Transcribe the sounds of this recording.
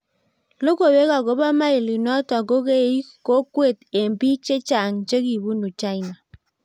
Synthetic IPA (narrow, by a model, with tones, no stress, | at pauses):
lo˦ko˨we˦ka˨ko˦ba˦ma˦i˨li˨nɔ˦ta˨ko˦ke˦˨˦i˦ko˦kwe˦˨te˨mbi˦t͡ʃe˦t͡ʃa˨ŋt͡ʃe˦ki˨bu˦nu˨t͡ʃa˦i˦na˨